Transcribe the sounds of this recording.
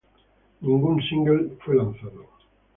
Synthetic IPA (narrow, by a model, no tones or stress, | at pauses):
nĩŋɡunsĩŋɡelfojlãn̟θaðo